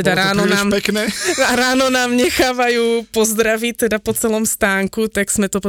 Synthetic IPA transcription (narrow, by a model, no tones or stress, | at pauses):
ɛdaɾaːnonaːmɛknɛnaɾaːnonaːmɲɛxaːvajupozd̪ɾavit̪ːɛdapot͡sɛloːmst̪aːŋkut̪aksmɛt̪op